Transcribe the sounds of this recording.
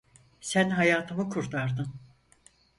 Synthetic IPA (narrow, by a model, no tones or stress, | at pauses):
sænɦajaːt̪ʰɯmɯkʰuɾt̪ʰaɾd̪ɯn